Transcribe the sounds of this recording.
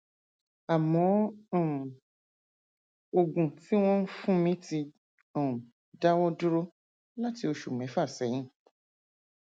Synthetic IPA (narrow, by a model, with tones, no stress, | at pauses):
a˨mɔ̃˨˦˨ | o˧ɡũ˨ti˦w̃ɔ̃˦n̩˦fũ˦mĩ˦ti˧ | ɔ̃˦˨ | da˦wɔ̃˦du˦ɾo˦ | la˦ti˧˦o˧ʃu˨mɛ̃˨˦fa˦˨sɛ˨˦ɲ̃ĩ˦˨